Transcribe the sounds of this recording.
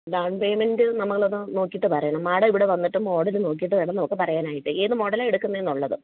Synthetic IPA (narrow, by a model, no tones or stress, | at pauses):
ɖaːɳpeːmendɨnɐmukːɐɭɐðɨno̞ːkːiʈːɨpɐrɐjɐɳɐmːaːɽɐiʋiɽe̞ʋɐnːiʈːummo̞ːɽɐlɨno̞ːk̬ːijiʈːɨʋiɽɐnːɐmɐkːɨpɐrɐjaːnaːjiʈːɨeːðɨmo̞ɽɐlaeɽukːunːɐe̞nːuɭːɐðɨ